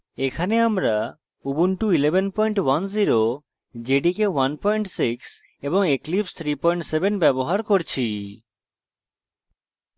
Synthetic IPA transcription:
ekʰaneamɾa | ubunʈuilebʱenpɔjɳʈwanziɾo | d͡ʑeɖikewanpɔjɳʈsiks | eboŋeklipst̪ʰɾipɔjɳʈsebenbɛboɦaɾkoɾt͡ɕʰi

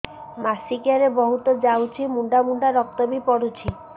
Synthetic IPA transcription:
masikjaɾebɔɦut̪od͡ʒawt͡ʃʰimuɳɖamuɳɖaɾɔk̚t̪ɔbipɔɽut͡ʃʰi

